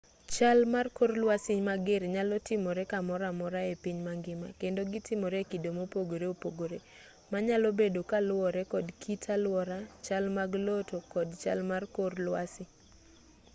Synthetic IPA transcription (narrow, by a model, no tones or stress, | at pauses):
t͡ʃalmarkorlwasɪɲmaɡerɲalɔtɪmɔɾɛkamɔɾamɔɾaepiɲmaŋɡɪma̰kendoɡɪtɪmoɾekidomopoɡoɾeopoɡoɾe | maɲalobedokalwɔɾɛkɔdkitʰalwɔɾat͡ʃalmaɡlotokɔdt͡ʃa̰lmarkorlwasɪ